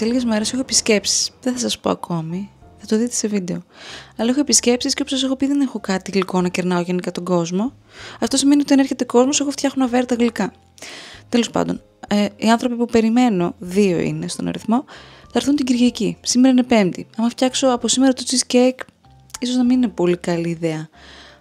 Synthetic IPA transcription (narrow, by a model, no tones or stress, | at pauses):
seliʝe̞zme̞ɾe̞se̞xoepisce̞psi̥sðeθɐsɐspo̞̰ɐ̰kʰo̞mi | θɐt̪oðit̪ese̞vid̪e̞o̞ɐlɐexo̞episce̞psisceo̞posɐse̞xopiðenexo̞kɐt̪iɣliko̞nɐceɾnɐoʝenikɐt̪o̞ɡo̞zmo̞ | ɐft̪o̞sime̞niot̪ɐneɾçe̞t̪e̞ko̞zmoseɣo̞ft̪çɐxonɐveɾɐt̪ɐɣlikɐ | t̪e̞lo̞spɐ̰nd̪o̞̰n | eiɐnθɾo̞pipupe̞ɾime̞no̞ðio̞̰ḭnest̪o̞nɐ̰ɾiθmo̞θɐɾθunt̪iɟiɾʝɐcisime̞ɾɐine̞pe̞mt̪ḭɐmɐft̪çɐkso̞ɐpo̞simeɾɐt̪ot͡sizcek | iso̞znɐminine̞po̞likɐliːðeɐ